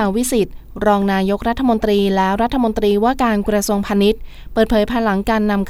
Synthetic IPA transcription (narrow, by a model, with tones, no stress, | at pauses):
a˩wi˦˥si˨˩t̪̚ɾɔː˧ŋnaː˧jo˦˥k̚ɾa˦˥t̪ʰːa˧mo˧nt̪ɾiː˧lɛː˦˥ɾa˦˥t̪ʰːa˧mo˧nt̪ɾiː˧waː˥˩kaː˧nkɾa˧su˧əŋpʰaː˧ni˦˥t̪̚ | pɤː˨˩t̪̚pʰɤː˩˦jpʰaː˧la˩˦ŋkaː˧nːa˧mkʰ